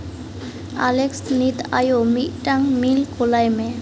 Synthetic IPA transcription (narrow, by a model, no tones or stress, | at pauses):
a̰leksnit̪a̰jomiʔʈaŋmilkʰolajme